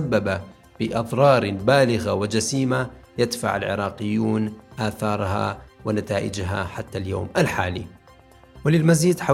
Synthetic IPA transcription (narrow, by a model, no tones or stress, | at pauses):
abːaba | fiʔɑðˤɾˤɑːɾˤbaːlɪɣawɪd͡ʒasiːmajad̪fa̰ʕa̰lʕɪ̰ɾˤɑːqɪjːuːnʔaːθɑːɾˤɦa̰wɪnat̪aːʔɪ̰d͡ʒɦa̰ħat̪ːaljoːmalħaːliː | wɪlɪlmaziːd̪ħa